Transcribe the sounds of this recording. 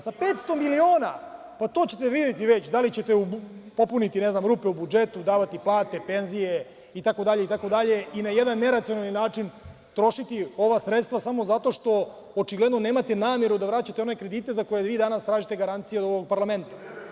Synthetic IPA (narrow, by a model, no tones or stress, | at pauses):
sape̞t̪st̪o̞milio̞ːna | pat̪o̞ːt͡ɕe̞t̪eʋid̪et̪iʋet͡ɕd̪alit͡ɕe̞t̪eupo̞punit̪ineznamɾuːpeubud͡ʒet̪ud̪aːʋat̪iplˠaːt̪e̞pe̞nzije | it̪ako̞d̪aʎeit̪ako̞d̪aʎe̞inajed̪anːe̞ɾat̪sionalninaːt͡ʂin | t̪ɾo̞ʃit̪io̞ʋasɾet̪st̪ʋasamo̞zat̪o̞ʃt̪o̞ | ot͡ʃiɡled̪no̞ne̞ːmat̪enaːmje̞ɾud̪aʋɾat͡ɕat̪eo̞nekɾed̪iːt̪ezako̞je̞ʋiːd̪anast̪ɾaːʒit̪eɡaɾant̪sijeod̪oʋoɡ̚paɾlˠame̞nt̪ḁ